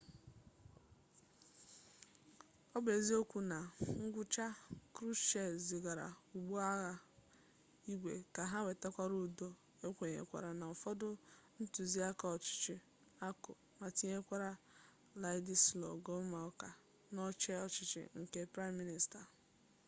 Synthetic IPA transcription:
ɔ˦be˨zi˦o˦kʷu˨na˨ŋ̩˦ɡʷʊ˦t͡ʃa˦kɾu˦t͡ʃe˨zi˨ɡa˨ɾa̰˨u˨ɡ͡bu˦a˦ɣa˨ | i˦ɡʷḛ˨ka˨ɦa˦we˨ta˦kʷa˦ɾu˨do˦ | e˦kʷe˨ɲḛ˨kʷa̰˨ɾa˨na˨ɔ˨fɔ˦dʊ˦n̩˦tu˨zi˦a˦ka˨ɔ˨t͡ʃɪ̥˦t͡ʃɪ˦ | a˦kʊ˨ | ma˨ti˦ɲe˦kʷa˦ɾa˦ | la˨ɪ˦di˦slɔ̰˨ɡɔ˦ma˨ɔ˦ka˨ | nɔ˦t͡ʃɛ˦ɔ˨t͡ʃɪ˦t͡ʃɪ̰˦ŋ̩˨ke˦pɾa˦mːi˦ni˨sta˨

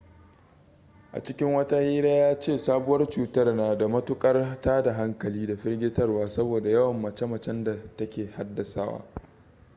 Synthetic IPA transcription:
ʔa̰˨t͡ʃɪ˦kʲɪ˦ŋwɐ˦ta˦hiː˦ɽaː˦jaː˦t͡ʃeː˦˨saː˦bʊ˦wɐ˦rt͡ʃuː˨tɐ˦rnaː˨da˨mɐ˦tʊ˦kʼɐ˦rtaː˦da˨ɦa˦ŋkɐ˨liː˦da˨ɸɪ˦rɡʲɪ˦tɐ˦rwaː˦sɐ˦boː˨da˨jɐ˦wɐ˨mːɐ˨t͡ʃɛ˦mɐ˨t͡ʃɛ˦nda˨tɐ˦kʲeː˨ha˦dːɐ˨sa̰ː˦wa̰ː˦

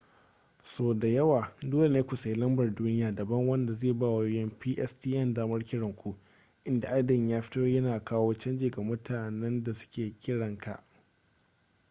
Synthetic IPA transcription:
soː˨da˨jɐ˦waː˨doː˦le˨neː˦kʷu˨sa˨ji˦lɐ˦mbɐ˨rduː˦nɪ˦jaː˨dɐ˨bɐ˦ŋwɐ˦nda˨zeː˦˨baː˦˨wa˨joː˦jɛ˦mpiː˦ʔɛ˦stiː˦ʔɛ˦˨ndaː˦mɐ˦rkʲɪ˦ɽɐ˨ŋkʷu˦ | ʔɪ˦nda˨ʔa˦dɐ˨ɲjaː˦ɸɪ̥˦toː˦jɐ˦naː˨kaː˦woː˦t͡ʃɐ˦nd͡ʒeː˨ɡa˨mʊ˦tʰaː˨nɛ˦nda˨sʊ̥˦kʲeː˨kʲɪ˦ɽɐ˨ŋka̰˨ʔ

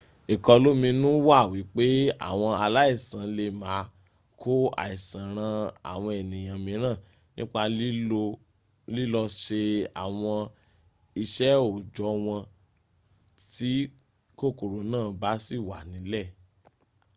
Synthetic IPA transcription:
i˨kɔ˧lo˦mĩ˧nũ˦wa˦˨wi˨˦k͡pe˦a̰˦˨w̃ɔ̃˧a˧la˦i˦˨sã˨˦le˧maː˨˦ | kʰo˦a̰˨i˨sã˨ɾ̃ã˧a̰˨w̃ɔ̃˧ɛ˨nĩ˨j̃ã˨mĩ˨˦ɾ̃ã˦˨ | nĩ˦k͡pa˧˦ | li˦lɔ˧ʃe˧a˨w̃ɔ̃˧ | i˧ʃɛ˦o˨d͡ʒɔ˨˦w̃ɔ̃˧ | ti˦ | ko˦˨ko˨ɾo˨˦nãː˦˨˧ba˦si˦˨wa˨nĩ˨˦lɛ˦˨

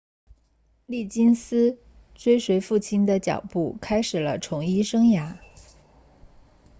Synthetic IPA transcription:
li˥˩t͡ɕi˥nsɹ̩˥ | t͡swe˥ɪʂwe˧˥ɪfu˥˩t͡ɕʰi˥nd̪ə˨t͡ɕjɑ̰˨˩ʊpu˥˩kʰa˥ɪʂɻ̩˨˩lə˦ʈ͡ʂʰʊ˧˥ŋi˥ʂɤ˥ŋja˧˥

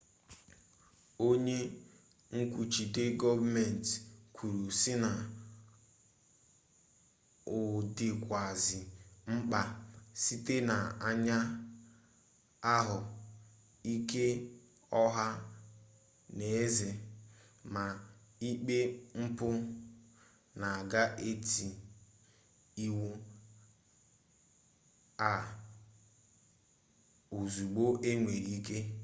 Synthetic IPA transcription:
o˦ɲe˦ | ŋ̩˦kʷu˨t͡ʃi˨te˦ɡɔ˦vme˨n˨tkʷʰu˨ɾu˨sɪ˦na˨ | ʊ˨dɪ˨kʷa˨zɪ˨ŋ͡m̩˦k͡pa˦si˦te˦na˨a˦ɲa˦ | a˦ɦʊ˨ | i˦ke˦ | ɔ˦ɦa˦ | ne˨e˦zɪ˨ | ma˨i˦k͡pe˦ŋ͡m̩˦pʊ˦ | na˨a˨ɡa˦ʔe˦ti˨ | i˦wu˦ | a˨ | o˨zu˨ɡ͡bo˦ʔe˦ŋʷe˨ɾi˦ke˦

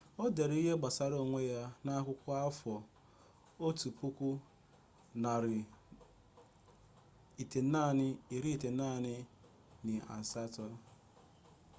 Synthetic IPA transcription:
ɔ˦de˨ɾe˨˦i˦ɦe˦ɡ͡ba˨sa˨ɾo˨ŋʷe˦ja˦na˦kʷʊ˦kʷʊ˦a˦fɔ˨ | o˦tu˨pu˦kʷu˦ | na˨ɾɪ˨ | i˨te˨˦na˦˨nɪ˦i˨ɾi˦i˦˨te˨˦a˦˨nɪ˦ | nɪ˨a̰˨sa˦tɔ˦

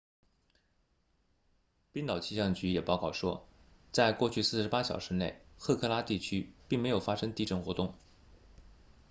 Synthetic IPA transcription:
pi˥nt̪ɑ˨˩ʊt͡ɕʰi˥˩ɕjɑ˥˩ŋt͡ɕy˧˥jɛ˨˩pɑ˥˧ʊkɑ˥˩ʊʂwɔ˥ | t͡sa˥˧ɪkwɔ˥˧t͡ɕʰy˥˧sɹ̩˥˩ʂɻ̩˧˥pa˥ɕjɑ˨˩ʊʂɻ̩˧˥ne˥˩ɪxʰɤ˥˧˩kʰɤ˥˧la˥t̪i˥˩t͡ɕʰy˥pi˥˩ŋme˧˥ɪjo˨˩ʊfa˥ʂɤ˥ŋt̪i˥˧ʈ͡ʂə˥˩nxwɔ˧˥t̪ʊ˥˩ŋ

